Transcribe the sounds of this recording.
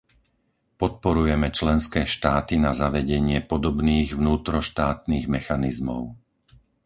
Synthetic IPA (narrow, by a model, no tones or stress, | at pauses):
pɔt̪̚pɔɾujɛmɛt͡ʃlɛnskɛːʃt̪aːt̪inazaʋɛɟɛɲɪɛpɔd̪ɔbniːɣʋnuːt̪ɾɔʃt̪aːt̪niːɣmɛxanizmɔ̰ʊ